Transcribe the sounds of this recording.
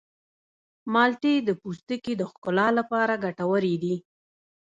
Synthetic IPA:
mɑlʈed̪əpust̪əkid̪əxkʊlɑlapɑɾaɡaʈawəɾid̪i

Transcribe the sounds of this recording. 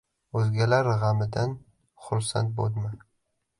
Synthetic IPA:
ɵzɡʲalaɾʁamɪd̪an | χʊɾsa̰nt̪̚bod̪ma

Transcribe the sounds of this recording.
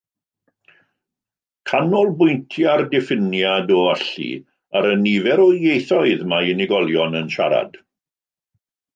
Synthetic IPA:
kʰanɔlˠbʊjntʰjardɪfɪnjadɔaɬḭ | aɾənivɛɾɔjejθɔɨðmaɪnɪɡɔlˠjɔnənʃa̰ɾa̰d̥

